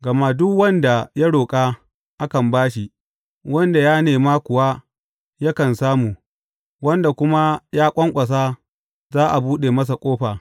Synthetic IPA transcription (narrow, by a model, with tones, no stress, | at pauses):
ɡɐ˨ma˦dʊ˦kwɐ˦nda˨ja˦ɽoː˨kʼaː˦ | ʔa˦kɐ˨mbaː˦ʃi˨ | wɐ˦nda˨jaː˦neː˨maː˦kʷʊ˨wa˦ | ja˦kɐ˨nsaː˦muː˨ | wɐ˦nda˨kʷʊ˦ma˦jaː˦kʷʼɐ˦ŋkʷʼɐ˨s̬aː˦ | zaː˦ʔa˨buː˦ɗe˨mɐ˦s̬a˨kʷʼoː˦ɸaː˨